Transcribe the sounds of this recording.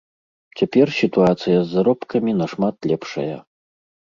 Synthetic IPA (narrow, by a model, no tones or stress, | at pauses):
t͡sʲapʲɛrsʲit̪uat̪sɨjɐzːaɾɔpkʰɐmʲinɐʂmat̪lʲɛpʂɐ̰jɐ̰